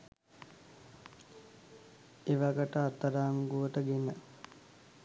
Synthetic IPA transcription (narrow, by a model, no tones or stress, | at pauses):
eʋaɡəʈəat̪ːəɾaːŋɡuʋəʈəɡenə